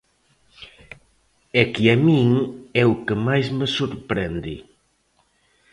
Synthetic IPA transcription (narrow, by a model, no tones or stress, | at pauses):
ɛkiamĩŋɛʊkemajzmesuɾpɾɛnd̪ḭ